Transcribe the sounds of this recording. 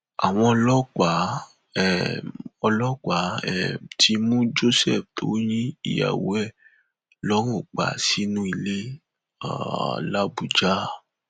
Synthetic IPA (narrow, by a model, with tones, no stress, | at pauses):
a̰˨w̃ɔ̃˧ɔ˧lɔ˦k͡pa˨˦˨ | ɔ˧lɔ˦k͡pa˨˦ɛ˨tʰi˧mũ˦d͡ʒo˦sɛ˦˨ftʰo˨˦j̃ĩ˦ḭ˦˨ja̰˨wo̰˨˦ɛ˦˨ | lɔ˦ɾ̃ũ˦˨k͡pa̰˨si˦nũ˦i˧˨le˦ | a̰˨la˦bu˨d͡ʒa˦